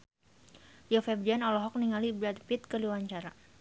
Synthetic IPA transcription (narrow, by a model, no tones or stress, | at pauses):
jɔfɛbdianɔlɔɦɔk̚niŋalibɾat̪̚pit̪̚kəliwaɲt͡ʃaɾa